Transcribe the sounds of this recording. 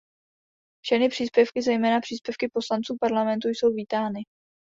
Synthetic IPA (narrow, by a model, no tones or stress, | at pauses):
fʃɛxnɪpr̝̥iːspjɛfkɪzɛjmɛːnapr̥iːspjɛfkɪpo̞slant͡suːpaɾlamɛnt̪ujso̞wviːt̪aːnɪ